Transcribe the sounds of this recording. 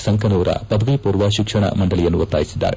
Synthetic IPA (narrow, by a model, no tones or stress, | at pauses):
sɐŋkʰɐnuːɾɐ̰pɐd̪ʱɐʋipuːrʋaːɕikʂɐɳɐ̰mɐɳɖɐɭijɐnːuʋɐt̪ːaːjisid̪ːa̰ːɾe